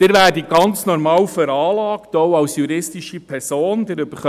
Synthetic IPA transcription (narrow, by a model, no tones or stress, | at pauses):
d̪̥ɪɾvæːɾdiɡ̥ɑnt͡snɔɾmɑːwfɛɾɑːlɑːktoʊɑwsjuɾɪstiʃipʰɛɾsoːndəɾʏb̥əχœ